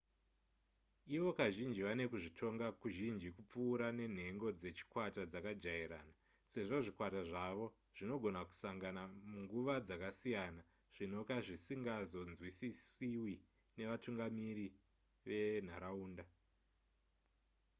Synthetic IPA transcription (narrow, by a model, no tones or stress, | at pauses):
iʋo̞kaʒind͡ʒiʋane̞kuʐitʰo̞ŋɡakuʒind͡ʒikup͡fuːɾane̞n̤e̞ŋɡo̞d͡ze̞t͡ʃi̥kwatad͡zakad͡ʒaiɾa̰ːna | se̞ʐo̞ʐikwataʐaʋo̞ | ʐ̥ino̞ɡʱo̞naku̥saŋɡanamuŋɡuʋad͡zakasijana | ʐ̥ino̞kaʐisiŋɡazo̞nzwisisiwi | ne̞ʋatuŋɡamiɾi | ʋe̞n̤aɾauːnda